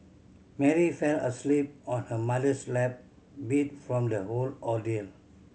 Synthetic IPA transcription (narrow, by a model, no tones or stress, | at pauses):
mɛɹifɛlə̰slip̚ɔ̃nhəmadəslɛp̚ | bit̚fɹɔ̃mdəholɔdil